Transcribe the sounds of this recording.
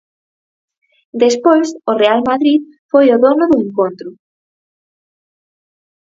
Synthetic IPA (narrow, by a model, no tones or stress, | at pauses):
d̪espojsʊrealmaðɾið | fojʊðonʊðʊeŋkont̪ɾʊ